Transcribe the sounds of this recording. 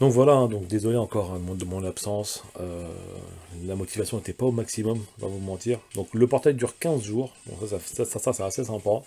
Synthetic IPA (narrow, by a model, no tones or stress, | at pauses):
d̪ɔ̃kvwalaɛ̃d̪ɔ̃kd̪ezɔleɑ̃kɔʁɛ̃mɔ̃d̪əmɔ̃napsɑ̃sø̰ | lamɔt̪ʰivasjɔ̃et̪ɛpaomaksimɔmvã̰vumɑ̃t̪iːʁd̪ɔ̃kləpɔʁt̪ajd̪yʁkʲɛ̃zʒuːʁd̪ɔ̰̃ksasasasasasɛasesɛ̃pa